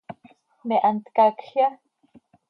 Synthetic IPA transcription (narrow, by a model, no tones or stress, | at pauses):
neʔant̪kakɬja